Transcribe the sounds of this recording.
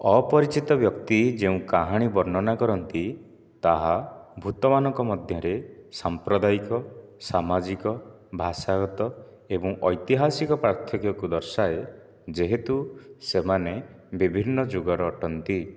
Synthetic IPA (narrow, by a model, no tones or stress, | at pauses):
ɔpɔɾit͡ʃit̪ɔbjɔkt̪id͡ʒeũkaɦaɽ̃ibɔɾnɔnakɔɾɔnt̪i | t̪aɦabʱut̪ɔmanɔŋkɔmɔd̪ʱjɔɾesampɾɔd̪aikɔsamad͡ʒikɔ | bʱasaɡɔt̪ɔ | ebɔŋʔɔjt̪iɦasikɔpɾaɾt̪ʰɔkjɔkud̪ɔɾsae | d͡ʒeɦet̪usemanebibʱinːɔd͡ʒoɡɔɾɔːʈɔnt̪i